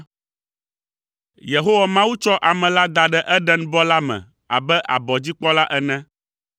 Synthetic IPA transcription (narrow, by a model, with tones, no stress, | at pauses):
je˨ɦo˦wa˨mã˦wu˦t͡ʃɔ˦ʔa˨mɛ̃˨la˦d̪a˨ɖɛ˦ʔɛ˦ɖɛ˦n˦bɔ˦la˦mɛ̰̃˨ | a̰˨bɛ˦ʔa̰˨bɔ˨d͡ʑi˦k͡pɔ˦la˦ʔɛ˦nɛ̃˦